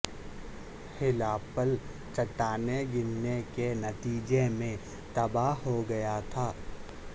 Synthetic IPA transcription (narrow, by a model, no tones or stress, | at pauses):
hɪlaːpəl | t͡ʃɐʈaːneɡɪnːekenɐt̪iːd͡ʒemẽ | t̪ɐbaɦoɡɐjat̪ʰaː